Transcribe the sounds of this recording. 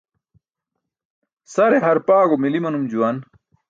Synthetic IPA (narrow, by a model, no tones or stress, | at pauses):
sɐɾeɦɐɾpaːɡomilimɐnumd͡ʑuwɐn